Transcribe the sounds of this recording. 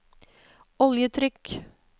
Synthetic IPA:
ɔljət̪ʰɾʏk

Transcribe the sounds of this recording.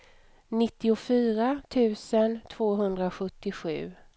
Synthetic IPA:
nɪt̪ːɪʊfyːɾat̪ʰʉ̟ːsənt̪ʰv̥oːɦɵnd̪ɾaɧɵt̪ːɪɧʉ̟ː

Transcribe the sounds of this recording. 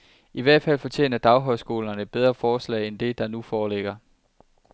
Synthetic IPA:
iʋæɐ̰d̥fæl̰fɒ̽t͡ɕʰje̝̰ːnɐd̥ɑ̈ʊɦɒ̽ɪsɡ̥o̝̰ːlɐnəb̥eð̞ˠʁɐfɒːslɛ̰ːend̥e̝d̥ɑ̈nufɒːleɡ̥ɐ

